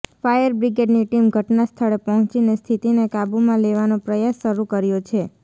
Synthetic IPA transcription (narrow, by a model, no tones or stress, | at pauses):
fajəɾbɾiɡeɖniʈimɡʱəʈnast̪ʰəɭepəɦɔ̃t͡ʃinest̪ʰit̪inekabumãleʋanopɾəjasːəɾukəɾjot͡ʃʰe